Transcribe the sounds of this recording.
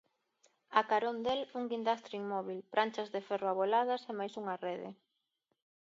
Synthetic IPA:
akaɾond̪eluŋɡind̪ast̪ɾiŋmɔβilpɾʔant͡ʃazðefɛroaβolað̞ɐsemajsuŋareðɪ̰

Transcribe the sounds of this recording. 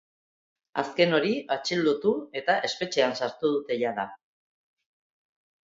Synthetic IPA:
a̰ske̞no̞ɾiat͡ʃild̪ut̪ue̞t̪aʔe̞spe̞t͡ʃe̞ansaɾt̪uð̞ut̪e̞ʝaða

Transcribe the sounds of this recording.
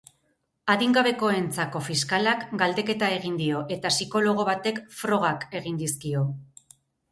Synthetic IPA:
aðiŋɡaβe̞ko̞e̞nt͡sako̞fiskalakɡald̪e̞ke̞t̪ae̞ɣind̪io̞ʔe̞t̪asiko̞lo̞ɣ̞o̞βat̪e̞kfɾo̞ɣ̞ake̞ɣind̪iskio̞

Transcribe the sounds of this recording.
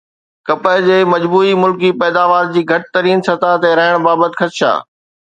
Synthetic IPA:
kɐpəɦd͡ʑeːmɐd͡ʑbuːimʊlkipɛːd̪aːʋaːɾd͡ʑiːɡʱɐʈɪt̪ɐɾiːnsɐt̪at̪eɾɐɦɪɽ̃baːbət̪ɪxɐt̪ʃa̰ː

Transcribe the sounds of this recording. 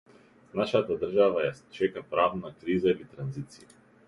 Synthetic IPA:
naʃat̪ad̪r̩ʒavajast͡ʃɛkapɾavnakɾizailit̪ɾanzit̪sii

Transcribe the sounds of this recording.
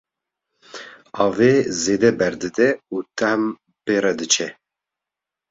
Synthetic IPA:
ɑːveːzeːd̪ɛbɛɾd̪ɨd̪ɛuːt̪ʰɛhm | peːɾɛd̪ɨt͡ʃʰɛ

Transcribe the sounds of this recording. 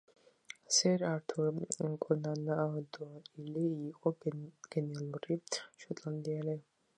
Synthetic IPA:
sɛɾaɾt̪ʰukʼɔnanad̪ɔailiːqʼɔɡ̥ɛnɛalˠuɾiʃɔt̪ʼland̪ialɛ

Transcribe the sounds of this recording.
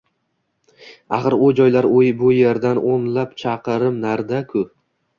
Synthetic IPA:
ɑ̰χɨɾojd͡ʒɒjlaɾojbʊjeɾd̪anʔonlapt͡ʃʰɑqɨɾɪmnaɾd̪akʰʊ

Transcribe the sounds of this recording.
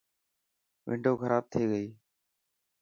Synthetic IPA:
ʋʔɪ̰̃ɳɖʱoːkəɾʔaːb̚t̪ʰeːɠəiː

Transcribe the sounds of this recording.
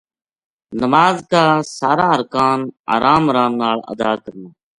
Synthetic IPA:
nəmaːzkaːsaːɾaːəɾkaːna̰ːɾaːmɾaːnːaːɭə̰d̪aːkəɾnaː

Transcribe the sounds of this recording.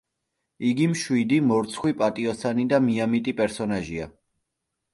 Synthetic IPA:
iɡimʃwid̪imɔɾt̪sʰχwipʼat̪ʼiɔsanid̪amiamit̪ʼipʼɛɾsɔnaʒia

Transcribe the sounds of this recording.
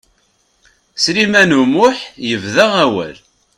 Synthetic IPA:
sɾimænumʊħjəvðæʁæwə̰l

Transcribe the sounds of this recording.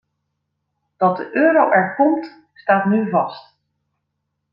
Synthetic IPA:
d̥ɑt̚dəʔøːɾowʔɛɹkɔmt | staːtnyvɑst

